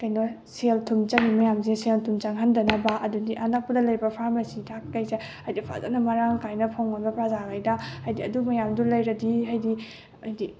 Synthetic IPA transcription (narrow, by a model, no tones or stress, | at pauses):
kajnɔ | seltʰumt͡ʃaŋimɐjamseseltʰumt͡ʃaŋɦandɐnɐbaʔɐdundiʔɐnak̚pɐdɐlɐjbɐpʰaɾmasitʰakːɐjseajdipʰa̰za̰nɐmɐɾaŋkajnɐpʰawŋanbɐpɾazakʰajdaajdiɐdumɐjamdulɐjɾɐdiɦajdi | ɐjdi